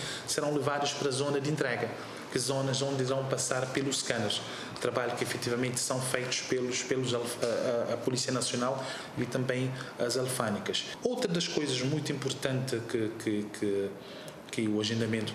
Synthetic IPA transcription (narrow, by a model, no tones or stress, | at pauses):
sɨɾɐ̃w̃lˠɨvaðuʃpɐɾɐzonɐd̪ẽnt̪ɾɛɡɐ | kɨzonɐzõnd̪iɾɐ̃w̃pɐsaɾpelˠuʃkɐ̃nɐɾʃ | t̪ɾɐβaʎukifɛt̪ivɐmẽnt̪sɐ̃w̃fejt̪u̥ʃpelˠuʃpelˠuzalˠɐpulˠisiɐnɐsjonalˠ | it̪ɐ̃mbẽj̃ɐzɐlˠfanikɐʃ | owt̪ɾɐd̪ɐʃkojzɐʒmũj̃t̪uĩmpuɾt̪ɐ̃nt̪ɨkɨkʰɨkʰɨ | kɨuɐʒẽnd̪ɐmẽnt̪u̥